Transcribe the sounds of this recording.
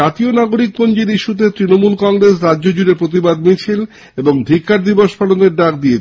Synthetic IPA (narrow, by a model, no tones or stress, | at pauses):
at̪ionaɡoɾik̚pond͡ʑiɾiʃut̪̬et̪ɾinomulkɔŋɾesɾadʑod͡ʑuɾeɾpɾot̪̬ibad̪mit͡ɕʰil | eboŋd̪ʱikːaɾd̪iboʃpʰaloneɾɖakd̪iet͡ɕ